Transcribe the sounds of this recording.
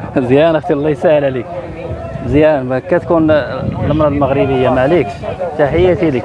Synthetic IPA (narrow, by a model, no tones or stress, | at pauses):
zjænəxt̪əlˤːɑjsæʕəllik | zjænkːæt̪kunləmɾˤɑlməɣɾibəjːamalikʃt̪aħəjːat̪ilək